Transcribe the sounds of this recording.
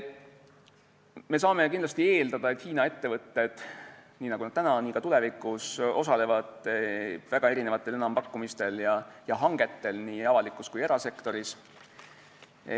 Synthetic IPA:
me̞s̬ɑːme̞kind̪lɑst̪ie̞ːld̪ɑd̪ɑe̞t̪hiːnɑe̞t̪ːe̞vɤt̪ːe̞d̪̥niːnɑɡ̥unɑd̥̪̚t̪ænɑniːkɑt̪ulɛvikˑuso̞sɑle̞vɑd̪̥ | væɡ̥ɑe̞ɾinevɑt̪ːˑe̞le̞nɑmpɑkːumist̪e̞ljɑjɑɦɑŋɡ̥e̞t̪ːe̞lniːɑvɑlikːˑuskuje̞ɾɑse̞kt̪o̞ɾis

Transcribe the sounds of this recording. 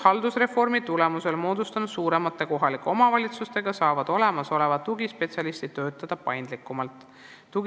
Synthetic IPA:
hɑld̪̥usre̞fo̞rmit̪ule̞muse̞lmo̞ːd̪̥ust̪ɑnud̪̥suːɾe̞mɑt̪ːˑe̞ko̞ɦɑlikːˑo̞mɑvɑlʲit̪sust̪e̞ɡ̥ɑsɑːvɑd̪̥o̞le̞mɑso̞le̞vɑt̪ːuɡispe̞tsʲjɑlist̪id̪t̪ːø̞ːt̪ːˑɑd̪̥ɑpɑjnd̪̥likːˑumɑlt̪ˑː | uɡ

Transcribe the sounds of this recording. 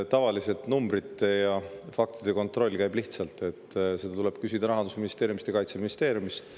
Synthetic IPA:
t̪ɑvɑlise̞lt̪numbɾit̪ˑːe̞jɑfɑkt̪id̪̥e̞ko̞nt̪ˑɾro̞lʲːkæjbliht̪sɑlt̪ːˑe̞t̪ːse̞d̪ɑt̪ule̞b̥kysʲid̪̥ɑɾɑɦɑnd̪usminist̪eːɾjumist̪ekɑjt̪seminist̪e̞ːɾjumist̪

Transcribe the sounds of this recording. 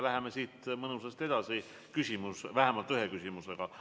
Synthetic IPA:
læɦe̞mesiːt̪mɤnusest̪e̞d̪̥ɑsi | kysʲimusvæɦemɑlt̪ːˑyɦe̞kysʲimuse̞ɡ̥ɑ

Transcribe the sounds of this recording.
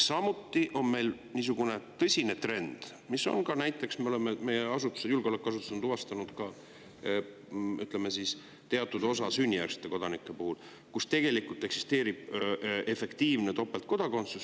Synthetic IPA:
sɑmut̪ːiʔo̞nme̞jlniːs̬uɡ̥une̞t̪ɤsʲine̞t̪re̞nd̪̥ | misːo̞̰nkɑnæjt̪ːˑe̞ksmeoe̞meme̞jeɑsut̪ːˑu̥sejulɡ̥eolekːˑuɑs̬ut̪ːu̥snd̪uvɑst̪ɑnud̪̥kɑ | yt̪ˑle̞mːe̞sis | t̪e̞ɑt̪ːˑud̪o̞sɑsynʲːijæ̰kse̥t̪ːe̞ko̞d̪̥ɑnikːˑe̞puhul | kust̪e̞ɡ̥e̞likult̪ˑe̞ksi̥st̪e̞ːɾib̥̚e̞fe̞kt̪iːvnet̪o̞pːˑelt̪̚ko̞d̪ɑko̞nt̪sus

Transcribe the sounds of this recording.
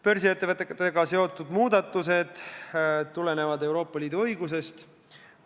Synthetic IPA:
peɾsie̞t̪ːevɨt̪ːˑekːt̪ːeɡɑse̞o̞t̪ːˑud̪̥muːd̪̥ɑt̪ːˑus̬e̞d̪̥ | t̪ːule̞ne̞vɑd̪e̞wɾo̞ːpːˑɑliːd̪uɤ̞jɡus̬e̞st̪

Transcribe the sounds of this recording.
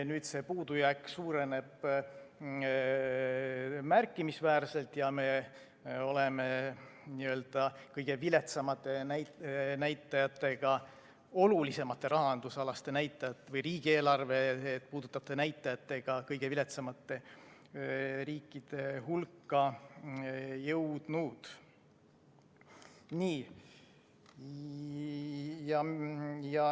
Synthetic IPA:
nyːd̪̥se̞puːd̪̥ujækːsuːɾe̞ne̞b̥ | mærkːˑimisvæːrse̞lt̪jɑme̞ | o̞lemeniø̞ld̪̥ɑkɤjɡ̥e̞vile̞t̪sɑmɑt̪ːˑe̞næjnæjt̪ˑːɑjɑt̪ːˑe̞ɡ̥ɑ | o̞lulise̞mɑt̪ːˑe̞ɾɑɦɑnd̪̥usɑlɑst̪e̞næjt̪ːˑɑjɑt̪ːˑevɤjriːɡ̥ie̞ːlɑrve̞ːt̪̚ːpuːd̪̥ut̪ːˑɑt̪ːenæjt̪ˑːɑjɑt̪ːˑe̞ɡ̥ɑkɤjɡevile̞t̪sɑmɑt̪ˑːe̞ | ɾiːkˑːid̪̥e̞ɦulkːˑɑ | jɤwd̪̥nud̪̥ | niː | jɑjɑ

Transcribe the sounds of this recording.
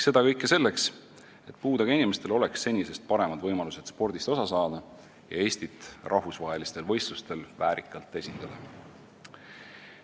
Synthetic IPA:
se̞d̪̥ɑkɤjkːˑese̞lːe̞ks | e̞t̪̚puːd̪ɑɡɑinime̞st̪e̞lo̞le̞ksse̞nʲːise̞st̪̚pɑɾe̞mɑd̪vɤjmɑluse̞t̪spo̞rd̪̥ist̪o̞sɑsɑːd̪̥ɑ | jɑ̰e̞ːsʲt̪it̪ːˑrʔɑɦvusvɑɦe̞list̪e̞lvɤ̞jst̪lust̪e̞lvæːɾikːˑɑlt̪ˑːe̞sʲit̪ːˑɑd̪̥ɑ

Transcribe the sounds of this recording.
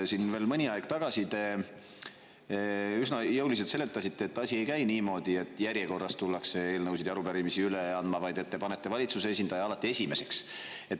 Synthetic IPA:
sinve̞ːlmɯnʲiɑjɡ̥t̪ɑɡ̥ɑsit̪e̞ | ysnɑjɤwlis̬et̪se̞lːet̪ːˑɑsit̪ːe̞ːt̪ːˑɑsʲie̞jkæjniːmo̞ːd̪ie̞t̪ːˑjæɾjeko̞rːɑst̪ulːɑkse̞e̞ːlnɤwsid̪ɑɾupæɾimisiyleɑnd̪mɑvɑjd̪̥e̞t̪ːe̞pɑne̞t̪ːe̞vɑlʲit̪suseesind̪̥ɑjɑɑlɑt̪ːie̞sʲime̞se̞ks | e̞t̪ː

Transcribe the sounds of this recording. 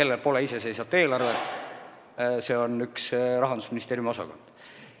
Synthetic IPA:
e̞lːelpo̞leise̞s̬e̞js̬ɑt̪ːˑe̞ːlɑrve̞t̪ːˑ | se̞o̞nyksrɑɦɑnd̪usminist̪eːɾjumo̞sɑ̰ko̞̰nd̪̥

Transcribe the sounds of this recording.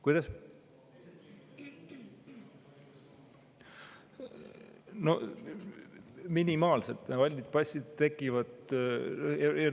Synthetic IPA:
kujd̪̥ɑs | no | minimɑːlsḛlt̪ːvɑlʲːit̪̚pɑsʲid̪t̪e̞kːˑivɑd̪ | ee

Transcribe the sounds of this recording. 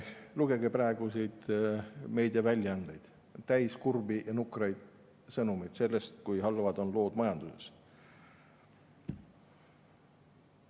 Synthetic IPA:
luɡ̥e̞ɡeprɑeɡ̥usejd̪̥ | me̞ːd̪̥ʲiɑvælʲːjɑɑnd̪̥ejd̪̥ | t̪æjskurbijɑnukrɑjd̪̥ | sɤnumijd̪̥se̞lːe̞st̪̚kujɦɑlːvɑd̪̥o̞nlo̞ːd̪mɑjɑnd̪̥uses

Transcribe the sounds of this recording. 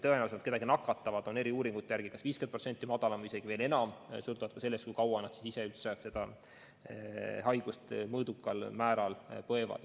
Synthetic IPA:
t̪ɤenæːwusnt̪keɑɡinɑkːˑɑt̪ːˑɑvɑd̪̥o̞ne̞ɾiuːɾiŋɡ̥ut̪ːˑejæɾɡ̥ikɑsviːskenprot̪se̞nt̪ˑːimɑd̪̥ɑlɑmise̞ɡ̥ive̞ːle̞nɑmsɤlt̪uvɑd̪̥̚kɑse̞lːest̪kujkɑwɑnɑd̪̥si̥siseylt̪ssɑeb̥se̞d̪̥ɑ | hɑjɡ̥ust̪mɤːd̪ukːˑɑlmæːɾɑlpɤ̞evɑ̰d̪

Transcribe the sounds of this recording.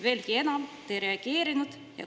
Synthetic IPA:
ʋelʲkienɑmt̪ːeɾeɑɡ̥eːɾinut̪ | jɑ̰

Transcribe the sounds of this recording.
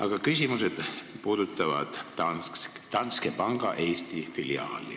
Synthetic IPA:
ɑɡ̥ɑkysʲimuse̞d̪̥puːd̪ut̪ˑːɑvɑ̰d̪̥ɑ | t̪ɑnskepɑŋɡ̥ɑʔe̞ːst̪ifiliɑ̰ːlḭ

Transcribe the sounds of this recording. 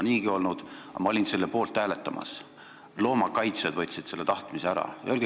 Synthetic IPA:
niːɡio̞lnud̪̥ɑ̰mɑolʲinse̞lːepo̞ːlt̪ːæːlet̪ːˑɑmɑ̰s | lo̞ːmɑkɑjt̪sed̪vɤt̪ʲːˑsid̪̥se̞lːḛt̪ɑht̪miseæɾɑ̰jɑølɡ

